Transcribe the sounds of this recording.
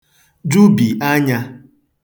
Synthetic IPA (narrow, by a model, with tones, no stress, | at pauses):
du˦bi˨ʔa˦ɲa˦